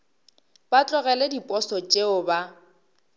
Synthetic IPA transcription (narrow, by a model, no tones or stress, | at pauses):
b̥at͡ɬʼɔɣɛledipʼɔsɔt͡ʃʼeʊba